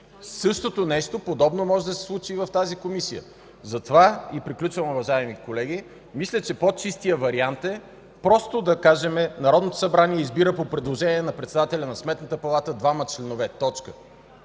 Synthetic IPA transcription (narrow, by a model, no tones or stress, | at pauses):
sɤʃt̪ot̪onɛʃt̪opod̪ɔbnomɔʒɛd̪ɐsɛ̥slˠut͡ʃivɐft̪azikomisijə̰ | zɐt̪ovaipɾiklʲut͡ʃvɐmʊvɐʒaɛmikolɛɡi | mislʲət͡ʃɛpot͡ʃist̪ijəvɐɾiant̪ɛ | pɾɔst̪od̪ɐkaʒɛmɛnɐɾɔd̪not̪o̥sɐbɾaniɛizbiɾəpopɾɛd̪lˠoʒɛniɛnɐpɾɛt̪sɛd̪at̪ɛlʲɐnɐsmɛt̪nət̪əpɐlˠat̪əd̪vamɐt͡ʃlɛnovɛt̪ɔt͡ʃkə